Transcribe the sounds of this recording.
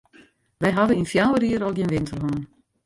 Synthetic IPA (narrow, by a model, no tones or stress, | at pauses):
ʋɛjɦadəinfjawəriəɾɔlˠɡjiənʋɪntʰərɦonən